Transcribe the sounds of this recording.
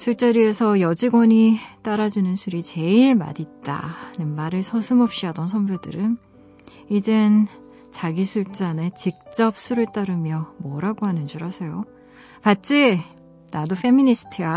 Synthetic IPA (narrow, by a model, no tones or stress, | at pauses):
sʰuɭt͡ɕ͈ʌɾie̞sʰʌjʌd͡ʑiɡwʌɲit͈aɾad͡ʑunɯnsʰuɾit͡ɕe̞iɭma̰dit̚t͈a̰nɯnmaɾɯɭsʰʌsʰɯmʌp̚ɕ͈iɦadʌnsʰʌmbjodɯ̰ɾɯn | id͡ʑen | t͡ɕaɡisʰuɭt͡ɕ͈ane̞t͡ɕik̚t͡ɕ͈ʌp̚sʰuɾɯɭt͈aɾɯmjʌmʌɾaɡoɦanɯnd͡ʑuɾɦasʰe̞jo | pat͡ɕ͈i | nadoɸʰe̞minisʰɯ̥tʰia